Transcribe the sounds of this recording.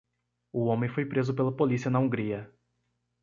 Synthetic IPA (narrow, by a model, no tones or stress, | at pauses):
ʊõmẽfojpɾezʊpelɐpolisiɐnɐũɡɾiɐ